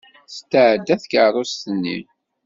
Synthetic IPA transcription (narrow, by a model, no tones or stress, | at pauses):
st̪əʕəd̪ːæθkərˤost̪ənːḭ